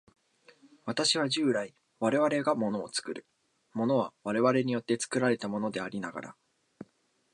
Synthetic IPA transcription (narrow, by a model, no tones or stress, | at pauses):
βat̪aɕiβ̞aʑɨːɾai | βaɾe̞βaɾe̞ɡamo̞no̞ːt͡sɨ̥kɯ̟ɾɯ̟̥ | mo̞no̞βaβaɾe̞βaɾe̞ɲ̟ijo̞t̪ːe̞t͡sɨ̥kɯ̟ɾaɾe̞t̪amo̞no̞d̪e̞aɾʲinaɡa̰ɾa̰